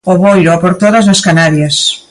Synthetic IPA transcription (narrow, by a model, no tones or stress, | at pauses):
oβojopoɾt̪oðɐznɐskanaɾjɐs